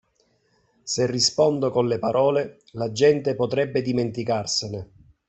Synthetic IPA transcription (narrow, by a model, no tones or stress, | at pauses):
serːispɔnd̪okonlepaɾʔɔːle | lad͡ʒɛnt̪epot̪ɾɛbːed̪iment̪ikarsene